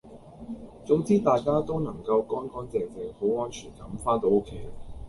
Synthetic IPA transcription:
t͡sʊ˨˥ŋt͡siː˥t̪aː˨jkaː˥t̪o˥wnɐ˨˩ŋkɐ˧wkɔː˥nkɔː˨˥nt͡sɛː˨ŋt͡sɛː˨˩ŋho˨˥wɔː˥nt͡ʃʰyː˨˩nkɐ˨˥mfaː˥nt̪̬o˧wo˥kʰe˨˥j

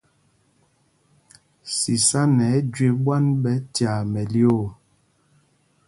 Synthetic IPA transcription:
si˨sa˦nɛ˨˦d͡ʒɥe˦bwa˦nɓɛ˦tja˨mɛ˨ljo˦˨

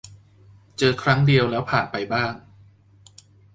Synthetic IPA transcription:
t͡ɕɤː˧kʰɾa˦˥ŋdi˧əwlɛː˦˥wpʰaː˨˩npa˧jbaː˥˩ŋ

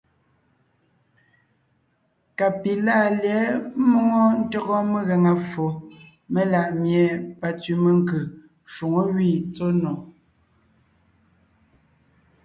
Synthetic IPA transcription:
ka˨pi˨la˦˨ljɛ˨˦mɔ˦ŋɔ˦n̩˦tɔ˦ɣɔ˦me˦ɣɛ˨ŋa˨fo˨ | me˦la˨ʔmje˨pa˨t͡sɥi˨me˨ŋkɯ˨ | ʃu˨ŋo˦wi˦˨t͡so˦nɔ˨

